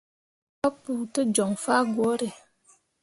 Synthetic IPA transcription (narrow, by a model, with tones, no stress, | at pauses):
tɔ˦k̚pu˨tə˦d͡ʒɔ˨ŋfa˦ɡwo˨˦ɾe˨